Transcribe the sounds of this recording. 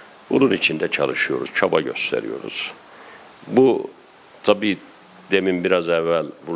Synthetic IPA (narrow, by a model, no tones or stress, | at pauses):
bununit͡ʃʰind̪ɛt͡ʃʰa̰lˠɯʃɯjo̞ɾuz̥t͡ʃʰabaɟø̞̰st̪ʰḛɾḭjo̞̰ɾṵz̥ | bu | t̪ʰabiː | d̪emimbiɾazɛvːælʲbu